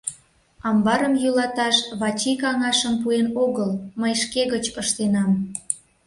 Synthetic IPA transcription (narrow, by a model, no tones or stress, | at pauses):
ɑmbɑɾəmjulɑt̪ɑʃβɑt͡ɕikɑŋɑʃəmpuenoɣəlməjʃkeɣət͡ɕpəʃt̪enɑm